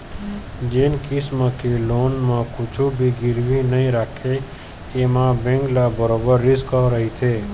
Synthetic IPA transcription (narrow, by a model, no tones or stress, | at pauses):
d͡ʒenkismə̃kelonmãkʰʊt͡ʃʰubʱiɡɪɾʋinəɦĩɾakʰeː | mãbẽŋɡlabəɾobəɾːɪskəɾəɦit͡ʃʰe